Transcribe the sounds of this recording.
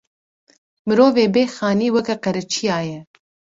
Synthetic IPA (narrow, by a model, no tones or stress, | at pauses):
mɨɾoːveːbeːxɑːniːwɛkɛqɛɾɛt͡ʃʰijaːjɛ